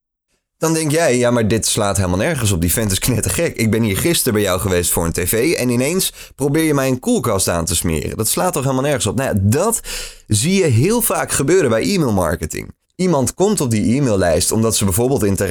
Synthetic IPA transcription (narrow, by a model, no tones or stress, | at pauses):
d̥ɑndɛŋktjɛjjaːmaːɹdɪtslaːtɦeləmalˠnɛɹχəns̬ɔb̚difɛntɪsknɛtəχɛkɪɡ̚bɛnɦiːɹχɪstəɹbɛjɔwχəʋejstfʊːɹəntevejɛ̰nɪnejns | prowbɪːɹjəmɛjənkulˠkɑsta̰ːntəsmɪ̰ːrə̰ndɑtslaːtːɔχelˠmalˠnɛɹχənsɔpnadɑtzijəɦɪːlˠv̥aːkχəbøːɾəbɛjʔiːmɪlˠmɑ̰ɹkətɪ̰ŋ | imɑntkɔmtɔb̚diʔiːmɪlˠlɛjstɔmdɑtsəbɛjvʊːɹbɪːlˠtɪntə